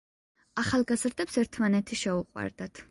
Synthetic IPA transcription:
aχalˠɡazɾd̪ɛpsɛɾt̪ʰmanɛt̪ʰiʃɛuqʼwa̰ɾd̪at̪ʰ

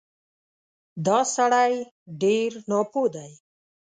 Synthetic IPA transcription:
d̪aːsaɽaj | ɖiːɾnɔːpuːd̪aj

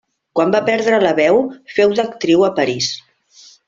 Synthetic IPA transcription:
kwambapɛɾðɾələβɛwfɛwðəkt̪ɾiwəpəɾis

